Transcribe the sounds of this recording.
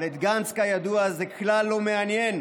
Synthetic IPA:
let̪ɡanskajad̪uazekʰlalːo̞meanjen

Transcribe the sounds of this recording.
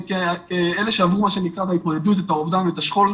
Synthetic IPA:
kkeele̞ʃeavʁumaʃe̞nikʁat̪ait̚moded̪ut̪̬et̪aovdamvet̪aʃχol

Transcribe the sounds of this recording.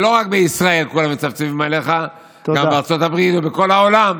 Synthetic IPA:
lo̞ʁakbeisʁae̞lkulamet͡saft͡sevimale̞χa | ɡambeaʁt͡so̞t̪abʁit̪ubeko̞laolam

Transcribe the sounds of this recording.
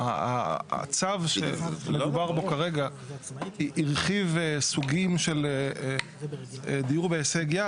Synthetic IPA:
aa̰t͡savʃemed̪ubaʁbo̞kaʁeɡa | iʔːʁχivesuɡimʃe̞le | ed̪ijuʁbeeseɡija

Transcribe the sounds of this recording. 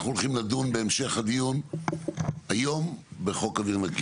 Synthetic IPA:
χnulχimlad̪unbe̞emʃe̞χad̪ijun | ajo̞mbeχo̞kaviʁnaɡ

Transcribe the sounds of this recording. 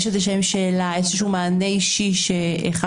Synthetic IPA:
ʃezeʃ̬emʃeːlaefoʃumaːneiʃiʃḛːχa

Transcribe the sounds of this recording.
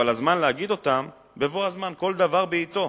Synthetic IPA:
alazmanleaɡid̪o̞t̪am | be̞voazmanko̞ld̪avaʁbeit̪o̞

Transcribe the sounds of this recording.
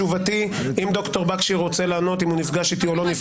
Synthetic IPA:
uvat̪i | imd̪o̞kt̪o̞ʁbakʃiʁo̞t͡se̞laːno̞t̪imhunifɡaʃit̪io̞lo̞nif

